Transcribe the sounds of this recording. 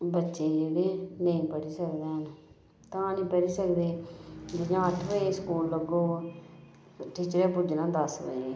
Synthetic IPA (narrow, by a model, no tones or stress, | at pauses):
bətːʃeːd͡ʒeːɽeːnəĩːpəɽiːsəkd̪eːɦən | t̪ãːnĩːpəɽiːsəkd̪eːd͡ʒɪd͡ʒãːəʈʰʋəeːskuːlləɡoː | ʈiːt͡ʃɾeːpʊd͡ʒnãːd̪əsə̰eeː